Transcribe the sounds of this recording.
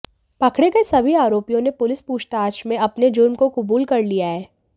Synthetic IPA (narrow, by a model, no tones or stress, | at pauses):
pɐkʰɽeɡɐisɐbʱiaːɾoːpijõnepʊlɪspuːʃt̪aːʃmẽɐpned͡ʒʊɾmkokʊbuːlkɐɾlijaɦɛː